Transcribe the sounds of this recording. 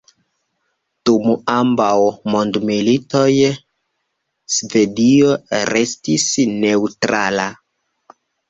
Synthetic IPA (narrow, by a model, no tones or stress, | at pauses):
tumuambawmondmilito̞j | sve̞dio̞ɾe̞stisne̞utɾala